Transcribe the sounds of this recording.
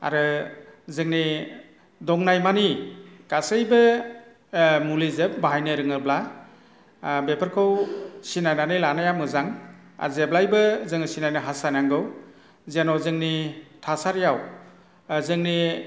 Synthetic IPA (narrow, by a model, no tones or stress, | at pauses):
a̰ɾɯzɯŋni | dɔŋnajmanikasɯjbɯ | mulizɯp̚baɦajnɯɾɯŋɯbla | bepʰəɾkʰɯwsinajnanilanajamɯzaŋ | a̰zeblajbɯzɯŋisinajnɯɦasajnaŋɡɯw | zenɔwzɯŋnitʰasaɾjaw | zɯŋni